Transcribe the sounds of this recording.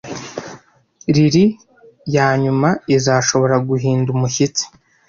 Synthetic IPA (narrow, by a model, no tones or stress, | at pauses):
ɾiɾi | jaːɲumaizaːʃo̞βo̞ɾaɡuɦiːndumuçit͡si̥